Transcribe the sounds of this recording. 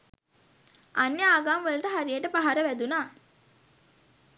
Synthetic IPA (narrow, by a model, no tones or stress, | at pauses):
ʔanːeaːɡaːmʋəlʈəɦaɾijeʈəpaɦaɾəʋæd̪unaː